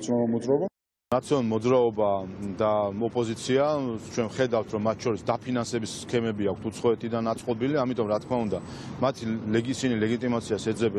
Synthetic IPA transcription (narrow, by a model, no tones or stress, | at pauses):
t̪sʰjɔnlmɔd̪zɾaɔba | nat̪sʰiɔnlˠmɔd̪zɾaɔbad̪aɔpʼɔzit̪sʰiat͡ʃʰwɛnχɛd̪aft̪ʰɾɔmːat̪ʰt͡ʃʰɔɾisd̪apʰinansɛbisːkʰɛmɛbiakʰt̪ʰut̪sʰχɔɛt̪ʰid̪anat̪sʼqʼɔbiliamit̪ʼɔmɾat̪̚ʰkʰmaund̪a | mat̪ʰilɛɡsinilɛɡit̪ʼimat̪sʰiaʃɛd̪zɛbɛ